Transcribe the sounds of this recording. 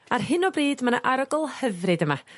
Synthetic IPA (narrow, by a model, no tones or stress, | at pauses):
arɦɨnɔbriːdmanaʔaɾɔɡɔlˠhəvrɨdəma